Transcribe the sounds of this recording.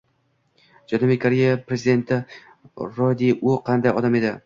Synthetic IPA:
d͡ʒanɒmijkʰaɾejapɾezid̪e̞nt̪ʰɪ | ɾɒd̪iʔʊqʰɑnd̪ajɒd̪ame̞d̪ɪ

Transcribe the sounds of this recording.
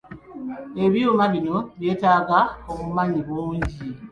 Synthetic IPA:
eβjumaβinoβjeːtaɡaomumaɲiβuːɲɟi

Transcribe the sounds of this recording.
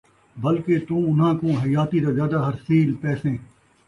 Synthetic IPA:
bɐlket̪ũːʊnɦãːkõːɦɐjaːt̪id̪azjaːd̪aɦɐɾsiːlpɛːsẽː

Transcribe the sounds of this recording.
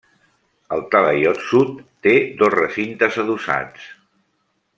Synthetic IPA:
əlˠt̪ələjɔt̪sut̪ːed̪ɔzrəsint̪əzəðusa̰t͡s

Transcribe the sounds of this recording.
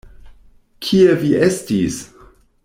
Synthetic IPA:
kʰieviestis

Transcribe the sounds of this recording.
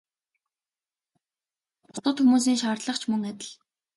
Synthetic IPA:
ʊ̥t̪ə̆t̪xumuːs̬iːŋʃaːrt̪ɮə̆χt͡ɕʰmɵŋat̪ʲɪ̆ɮ

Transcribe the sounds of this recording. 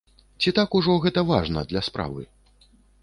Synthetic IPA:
t͡sʲit̪akuʐɔɣɛt̪ɐvaʐnɐ̰d̪lʲɐspɾa̰vɨ̰

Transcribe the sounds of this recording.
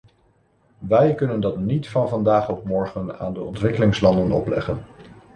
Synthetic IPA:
ʋɛjkɵnəndɑtnitfɑnvɑndaːχɔp̚mɔɹχəna̰ːndəɔntʋɪkəlɪŋslɑndənɔ̰plɛ̰χən

